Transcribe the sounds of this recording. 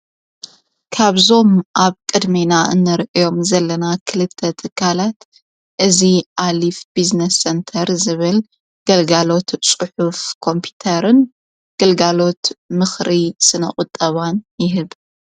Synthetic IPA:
kʰaβzo̞mʔaβkʼɨd̪minaʔɨ̰nːɐɾʔijo̞mzɐlːɐnakʰɨlɨt̪ʰːɐt̪ʰɨkʰːalat̪ | ʔɨziʔalifb̥iznɐsːent̪ʰɐɾzɨβɨl | ɡ̥ɐlɡalo̞t̪t͡sʼɨħufkʰo̞mpʰi̥t̪ʰɐɾɨn | ɡ̥ɐlɡalo̞t̪mɨxɾisɨnɐ̰χʼʊt̪ʼːɐβanjɪɦɨβ

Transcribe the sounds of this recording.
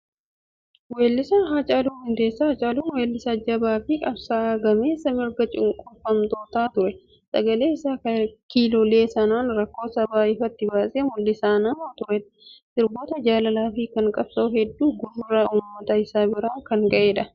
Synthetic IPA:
weːlːɪsɐɦaːt͡ʃʼaːluːnɪnt̪e̞ːsːɐhaːt͡ʃʼaːluːnweːlːɪsɐd͡ʒɐbaːfɪkʼɐbsaːɡɐme̞ːsɐmɪɾɡɐt͡ʃʼɪŋkʼʊfɐmt̪o̞ːt̪aːt̪ʊɾɛ | sʼɐɡɐle̞ːɪsaːɐkiːloːle̞ːsɐnaːnɾɐkːo̞ːsɐbaːɪfɐt̪ːɪbaːsʼeːmʊlːɪsaːnɐmot̪ʊɾɛᶑɐsɪɾbo̞ːt̪ɐd͡ʒaːlɐlaːfikɐŋkʼɐb̥sɐʊɦɛd̪ːuːɡʊrʊrauːmːɐt̪ɐɪsaːbɪɾaːŋkɐŋkʼɐʔe̞ːᶑɐ

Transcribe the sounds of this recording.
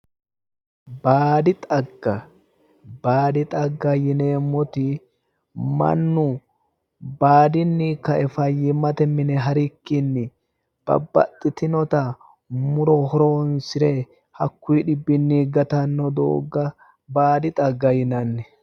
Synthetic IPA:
baːd̪ɪt̪ʼɐɡːɐ | baːd̪ɪt̪ʼɐɡːɐjɪneːmːɔt̪ɪ | mɐ̰nːʊ | baːd̪ɪnːikɐʔɛfɐjːɪmɐt̪ɛmɪnɛɦɐɾɪkːɪnːɪ | b̥ɐ̰bːɐ̰t̪ʼːɪt̪ɪnɔt̪ɐ | mʊɾɔhɔɾoːnsɪɾɛ | hɐkːuːɗɪbːɪnːiːɡɐt̪ɐnːɔd̪o̰ːɡːɐ | baːd̪ɪt̪ʼɐɡːɐjɪnɐnːɛ

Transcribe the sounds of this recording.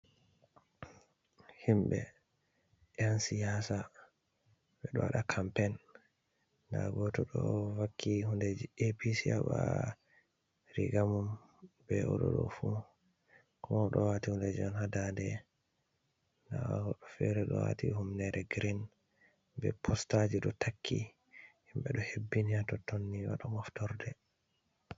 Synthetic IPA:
himbɛ | ʔɛansijasa | ɓɛɗɔwaɗakʰampɛnː | da̰ɡɔtɔɗɔwakːihundɛd͡ʒepisiaba | ɾiɡamum | bɛɔɗɔ̰ɗɔfu | kɔmaɗɔwatihunded͡ʒiɔnhadadɛ | ndaahɔɗɔfɛɾɛɗɔ̰wa̰tihumnɛɾɛɡɾin | bɛpʰɔstad͡ʒiɗɔtʰakʰːḭ | himbɛɗɔhebːiniatɔtonːiwaɗamɔftɔɾdɛ

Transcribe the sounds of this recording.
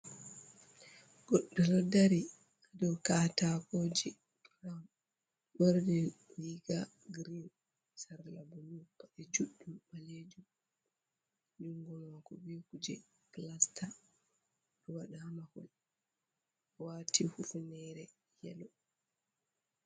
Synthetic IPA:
ɡ̥ɔɗːɔlɔdaɾi | ʔadɔkatakod͡ʒi | ɾam | bɔɾdɛ | liɡa | ɡɾin | saɾlabunupːaʔɛd͡ʒuɗːumːaled͡ʒum | d͡ʒuŋɡɔmakɔbikud͡ʒɛ | klasta | ɗɔwaɗaamahɔl | waːtihufunɛɾɛ | jɛ̰lɔ

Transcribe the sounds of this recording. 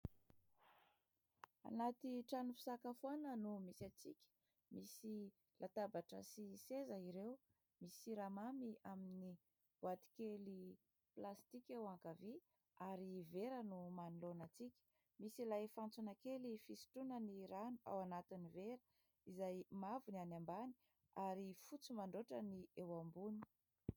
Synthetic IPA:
a̰nat̪iʈ͡ʂanufi̥sakafuanənumisat͡sikʲə̥ | misi | lʔat̪abaʈ͡ʂəsisezəiɾew | misiɾamamiamini | b̥uat̪i̥keli | plast̪ikʲewaŋkavi | aɾiveɾənumanulonat͡sikʲə̥ | misilajfant͡sunakelifisi̥ʈ͡ʂunəniɾanua̰wanat̪iniveɾə | izajmavunanambani̥ | aɾifut͡sumaɳɖ͡ʐoʈ͡ʂəniewambuni̥

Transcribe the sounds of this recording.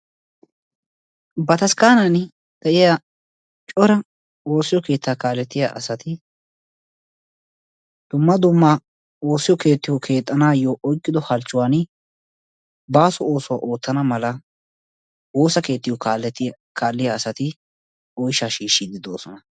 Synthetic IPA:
bɐt̪ɐskaːnɐn | d̪̥ɐʔɪja | t͡ʃʼɔɾɐ | o̞ːsːɪjɔke̞ːt̪ːaːkaːlːɛt̪ːɪja̰ːʔɐsɐt̪ɪ | d̪̥ʊmːɐd̪ʊmːa | o̞ːsːɪjɔke̞ːt̪ːɪjɔkʰe̞ːt̪ʼːɐnaːjɔʔɔjkʼːɪd̪ɔhɐlt͡ʃːʊwaːn | baːsʊo̞ːsʊwa̰ːʔo̞ːt̪ːɐnɐmɐlɐ | oːsɐke̞ːt̪ːɪjɔkalɛt̪ | kʰaːlːɪjaːsɐt̪ɪ | ɔjʃaːʃiːʃːɪd̪ɪd̪o̞̰ːsɔnɐ

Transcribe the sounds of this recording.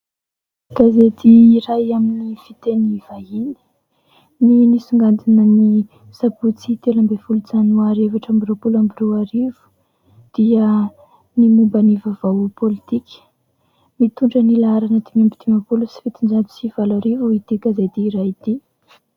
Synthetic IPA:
ɡ̥azet̪iːɾajaminifit̪eniv̥aini̥ | ninisuŋɡant̪inəni | sabut͡sit̪elambefulut͡sanuaɾevaʈ͡ʂambiropulambiruaɾivu̥ | d̪̥iə | nimumbanivavawpʰolit̪ikʰʲə̥ | mit̪uɳɖ͡ʐənilaaɾanət̪imambit̪imapulusi̥fit̪ind͡ʒad̪i̥siv̥alaɾivuit̪iɡazet̪iːɾajit̪i

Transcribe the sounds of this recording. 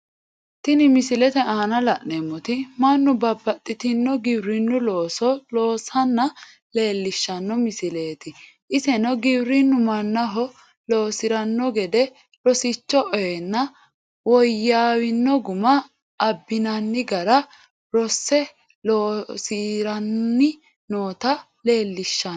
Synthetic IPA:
t̪ɪnɪmɪsɪlɛt̪ɛʔaːnɐlɐʔnemːɔt̪ɪmɐnːʊbɐbːɐt̪ʼːɪt̪ɪnːɔɡɪbɾɪnːʊloːsɔloːsɐnːɐ | le̞ːlːɪʃːɐnːɔmɪsɪle̞ːt̪ɪ | ʔɪsɛnɔɡɪbɾɪnːʊmɐnːɐɦɔ | loːsɪɾɐnːɔɡɛd̪ɛ | ɾɔsɪt͡ʃːɔʔɔjɛnːɐ | wɔjːaːwɪnːɔɡʊmɐː | bːɪnɐnːɪɡɐɾɐ | ɾɔsːɛ | loːsiːɾɐnːɪ | noːt̪ɐ | le̞ːlːɪʃːɐ

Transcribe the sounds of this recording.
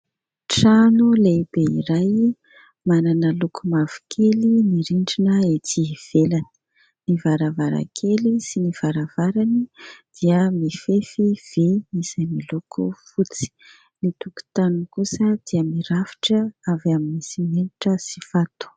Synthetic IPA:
ʈ͡ʂanulebeiɾaj | mananəlukʰumavi̥kʰeliniɾiɳɖ͡ʐinəetiv̥elanə̥ | nivaɾavaɾa̰kʰelisiniv̥aɾav̥aɾanid̪̥iəmifefiv̥emisamilukʰṵfut͡si̥ | nit̪uku̥t̪anukusəd̪̥iəmiɾafi̥ʈ͡ʂəavaminisimeniʈ͡ʂəsi̥fat̪u̥

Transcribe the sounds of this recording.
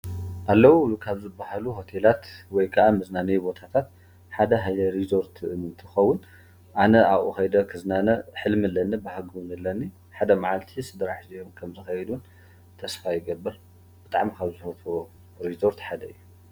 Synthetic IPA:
ʔalːɐwukʰaβzɨbːaɦaluɦo̞t̪ʰelat̪wɔjkʰɐʔamɨznanɐjbo̞t̪ʰat̪ʰat̪̚ | ħad̪ɐɦajɐɾizo̞ɾt̪ʰɨnt̪ʰɨxɐwːʊn | ʔanɐawʔuxɐjd̪ɐkʰɨznanɐħɨlmɨlːɐnɐbahaɡɨwnɨlɐnːi | ħad̪ɐmaʕalt̪ʰisɨd̪ɾaħzijomkʰɐmzɨxɐjd̪un | t̪ʰɐsfajɪɡɐbːɨɾ | b̥ɨt̪ʼa̰ʕmikʰaβzɨfɐt̪o | ɾizo̞ɾt̪ħad̪ɐɨjːu

